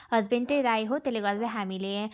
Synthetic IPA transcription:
ɦʌd͡zbeɳʈeɾajɦot̪eleɡʌɾd̪aɦamile

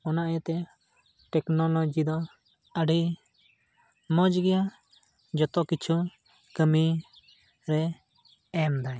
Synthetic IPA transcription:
ɔnaʔjɛt̪ɛ | ʈɛknɔlɔd͡ʒid̪ɔ | əɖi | mɔd͡ʒɡɛja | d͡ʒɔt̪ɔkit͡ʃʰu | kəmi | ɾɛ | ɛmd̪aj

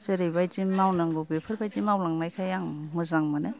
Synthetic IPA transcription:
seɾijbajtimawnaŋɡobepʰɯɾbajtimawlaŋnajkʰajaŋmɯzaŋmane

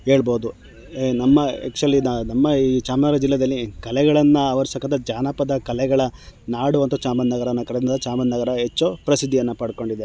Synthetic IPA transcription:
ɦe̞ːɭboːd̪u | nɐmːɐɛ̰kt͡ʃuɐlːinnɐmːɐiːt͡ʃaːmɐɡɐɾɐd͡ʒilːɛd̪ɐlːikɐlɛɡɐɭɐnːɐɐʋɐɾisɐkːɐnt̪ːɐd͡ʒaːnɐpɐd̪ɐkɐlɛɡɐɭɐnaːɽuʋɐnt̪ɐt͡ʃaːmɐnːɐɡɐɾɐnːɐkɐɾɛd̪ɐnd̪ɐt͡ʃaːmɐnːɐɡɐɾɐɦet͡ʃːopɾɐsid̪ʱːijɐnːɐpɐɽko̞ɳɖid̪e

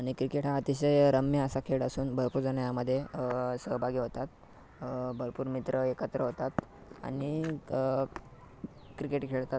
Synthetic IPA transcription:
aɽ̃ikɾikeʈaːt̪iɕəjɾəmjəəsakʰeɽəsuːnbʱəɾpuɾd͡zanjaməd̪ʱːjesəɦbʱaɡiɦot̪at̪̚ | bʱəɾpuːɾmit̪ɾəekət̪ɾəɦot̪at̪ | a̰ɽ̃i | kɾikeʈkʰeɭk̪a

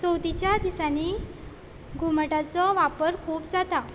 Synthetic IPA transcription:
sowt̪it͡ɕjad̪isani | ɡʱuməʈat͡sɔʋapəɾkʰuːpd͡zat̪a

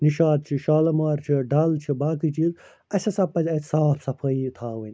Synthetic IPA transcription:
niʃaːt̪̚t͡ʃʰiʃaːlɐmaːɾt͡ʃʰiɖaːlt͡ʃʰibaːkit͡ʃiɾ | ɐsɐsɐpːɐzʲɐt̪ʲsaːpsɐpʰɐit̪ʰaːwɐnʲ

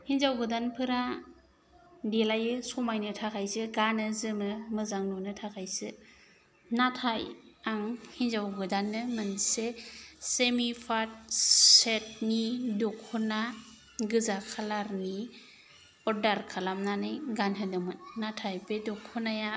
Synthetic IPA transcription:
hinzawɡɯdanpʰɯɾa | delajɯsɔmajnɯtʰakʰajsɯɡanɯzɯmɯmɯzaŋnɔnɯtʰakʰajsɯ | natʰaj | aŋhinzawɡɯdanːɯmɯnsesemipʰat̚set̚nidɔkʰːuna | ɡɯzakʰalaɾni | ɔɾdaɾkʰalamnanɯjɡanɦɯnɯmɯnːatʰajpedɔkʰːunaja

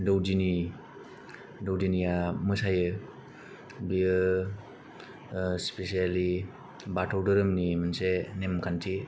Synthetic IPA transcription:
dowd͡ʒini | dowd͡ʒinijamɯsajɯ | biɯ | spesiali | batʰawdɯɾɯmnimɯnsenemkʰantʰi

